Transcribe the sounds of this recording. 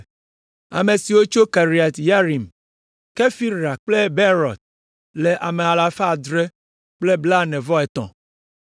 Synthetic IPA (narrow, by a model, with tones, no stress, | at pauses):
a̰˨me˨si˨wo˦t͡ʃo˦ka˨ɾi˨a˨t̪ja˦ɾi˨m | ke˦fi˦ɾa˨k͡ple˦be˦ɾɔ˨t̪̚ | le˨ʔa˨mɛ˨a˨la˨fa˦˨d̪ɾɛ˦ | k͡ple˦bla˦nɛ̃˨vɔ˦ɛ˨t̪ɔ̰̃˨